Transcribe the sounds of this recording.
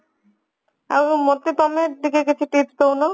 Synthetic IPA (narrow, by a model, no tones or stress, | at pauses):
a̰mot̪ːit̪ɔmeɾd̪ikekekʰiʈit̪t̪owno